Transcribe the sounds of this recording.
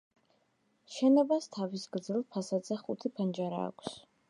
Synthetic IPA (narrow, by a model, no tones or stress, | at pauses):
ʃɛnɔbast̪ʰavisɡɾd̪zilˠpʰasad̪zɛχut̪ʰipʰand͡ʒaɾa̰ːkʷʰs